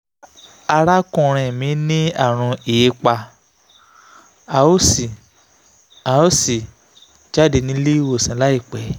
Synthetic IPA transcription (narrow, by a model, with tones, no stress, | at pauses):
a˧ɾa˦kũ˦˨ɾ̃ɛ̃˨mĩ˨˦nĩ˦a˦˨ɾ̃ũ˧e˨e˧k͡pa˧ | a˨o˦si˨ | a˨˦o˦si˨ | d͡ʒa˦˨de˧nĩ˧˦li˦wo˦˨sĩ˨˦la˦i˦˨k͡pɛ˨˦